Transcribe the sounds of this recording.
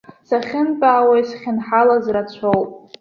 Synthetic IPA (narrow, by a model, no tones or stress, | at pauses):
saχʲɪnbʼaːwajsχʲɪnħalazrat͡ɕʷʰowpʼ